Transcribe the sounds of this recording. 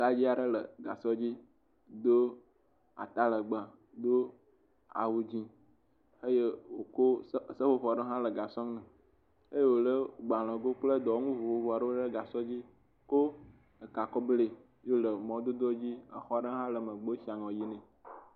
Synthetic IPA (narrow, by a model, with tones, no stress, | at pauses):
la˦d͡ʑi˦a˨ɖə˦lə̰˨ɡa˨sɔ˦d͡ʑi˦ | d̪o˦ | a̰˨t̪a˦lə˨ɡ͡bã˨ | d̪o˦ | a̰˨wu˨d͡ʑi˦ | e˦je˦wo˨ko˦˨sə˦ɸo˦ɸɔ˨ɖə˦ɦã˦lə˨ɡa˨sɔ̃˦ŋnɛ̃˨ | e˦je˦wo˨lə˦ɡ͡ba˨l̃ɔ̃˨ɡo˦k͡plə˦d̪ɔ˨˦ŋũ˦vu˨ɸo˨vɔ˨a˨ɖə˦o˦ɖə˦ɡa˨sɔ˦d͡ʑi˦ | ko˦ | ə˨ka˨kɔ˦ble˦ | jo˦lə˨mɔ̃˨d̪o˦d̪ɔ˦d͡ʑi˦ə̰˨xɔ˦ɖə˦ɦã˦lə˨mə̃˨ɡ͡bə˦ʃi˨˦a˨ŋɔ̃˨ji˦nɛ̃˨